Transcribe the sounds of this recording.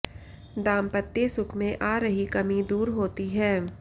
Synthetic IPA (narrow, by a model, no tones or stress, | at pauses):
d̪ãːmpət̪ːjesʊkʰmẽʔaːɾəɦikɐmid̪uːɾɦoːt̪iɦɛː